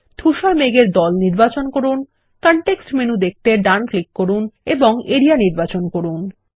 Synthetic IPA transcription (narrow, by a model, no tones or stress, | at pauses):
d̪ʱuʃaɾmeɡeɾd̪ɔlniɾbat͡ɕonkoɾun | kɔɳʈeksʈmenud̪ek̚ʰt̪eɖanklikːoɾuneboŋeɾianiɾbat͡ɕonkoɾun